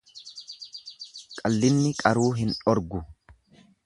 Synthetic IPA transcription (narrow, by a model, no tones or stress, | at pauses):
kʼɐlːɪnːɪkʼɐɾuːɦɪnɔɾɡʊ